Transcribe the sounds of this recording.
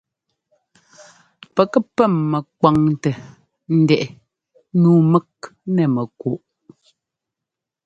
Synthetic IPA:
pɛ˨kɛ˦pɛ˦˨mːɛ˨k̚wa˨ŋtɛ˨ | n̩˦dɛ˨ʔɛ˨ | nuː˨˦mɛ˦k̚nɛ˨mɛ˨ko˨ʔ

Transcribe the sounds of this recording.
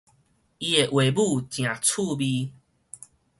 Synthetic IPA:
i˧e˨ʔwe˨bu˥˧t͡ɕj̃ã˨˩t͡sʰu˥˧bi˧

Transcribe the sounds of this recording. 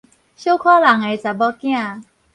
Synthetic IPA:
ɕo˥˩kʰɔ˥la˨˩ŋa˨jt͡sa˨˩bɔ˦kĩ˦˥˦a˧˨

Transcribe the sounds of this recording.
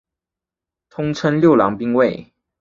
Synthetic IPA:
t̪ʰʊ˥ŋʈ͡ʂʰə˥nljo˥˩ʊlɑ˧˥ŋpi˥ŋwe˥˨˩ɪ

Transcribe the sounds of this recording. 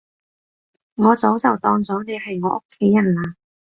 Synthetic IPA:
ŋɔː˨˧t͡so˨˥wt͡sɐ˨wt̪ɔː˧ŋt͡sɔː˨˥ne˨˧jhɐ˨jŋɔː˨˧˥ʔʊ˥kʰːe˨˥jɐ˨˩nlaː˧

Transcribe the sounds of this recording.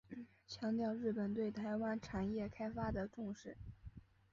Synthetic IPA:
t͡ɕʰjɑ˧˥ŋt̪jɑ˥˧ʊɻɻ̩˥˩pə˨˩nt̪we˥˩ɪt̪ʰa˧˥ɪwa˥nʈ͡ʂʰa˨˩njɛ˥˩kʰa˥ɪfa˥d̪ə˨ʈ͡ʂʊ˥˧ŋʂɻ̩˥˩

